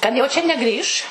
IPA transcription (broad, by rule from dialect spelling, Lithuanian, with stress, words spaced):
kɐt jɛʊ t͡ʃʲɛ nʲɛˈɡrʲiːʃ